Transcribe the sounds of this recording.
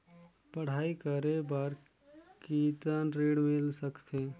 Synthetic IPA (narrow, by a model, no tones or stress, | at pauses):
pəɽ̤aːikəɾebaɾ | kiːt̪aːnɾiːɽmɪlsəkt̪ʰeː